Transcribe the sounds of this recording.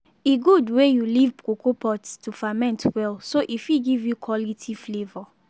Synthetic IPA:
iɡudwejulivkokopɔtstufamɛ̃ntʰwɛlsoʔifiɡivjukʰwɔlitʰiflevɔ

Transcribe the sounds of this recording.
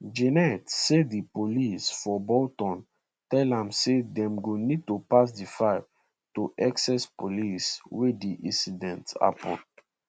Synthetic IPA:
d͡ʒɛnɛtsedipolisfɔbɔltɔ̃n | tɛlãmsedɛ̃mɡonid̚topas̬difaɪv | toʔɛksɛspoliswediʔḭ̃sidɛ̃nta̰pɔ̰̃n

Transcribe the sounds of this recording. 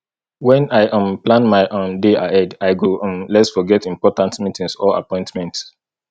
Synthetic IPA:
wɛ̃naɪʔə̃mplãnmaɪʔõndeaɛdaɪɡõmlɛtsfɔɡɛtĩmpɔtãntmitĩŋsɔa̰pɔ̃ɪ̃ntmɛ̃nts

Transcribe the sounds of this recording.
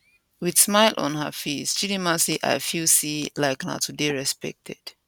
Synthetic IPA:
widsmaɪlʔɔ̰̃nɦə̰fesd͡ʒilimãsliʔa̰ɪfilsilaɪkna̰tʰudeɹɛspɛ̰k̚tʰɛd̥

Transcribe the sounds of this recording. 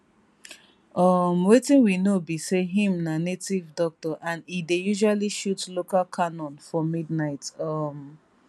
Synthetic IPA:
ʌmwetĩnwinobiseɦĩmnanetivdɔk̚tɔʔãnidejuʒualiʃutlokalkʰanɔ̃nfɔmidnaɪtʌm

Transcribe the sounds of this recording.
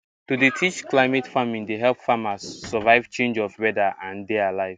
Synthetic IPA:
tudetʰit͡ʃklaɪmɛtfamĩŋdeɦɛlˠpfamasːəvaɪv̥t͡ʃẽnd͡ʒɔfwɛdaʔãndealaɪv

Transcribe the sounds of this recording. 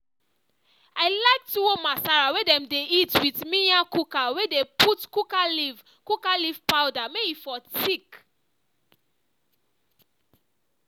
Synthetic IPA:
aɪlaɪktuomasaɹawedɛ̃mdeitwitmĩnjakukawedepʰutkukaliv | kukalivpaʊdameifɔtik

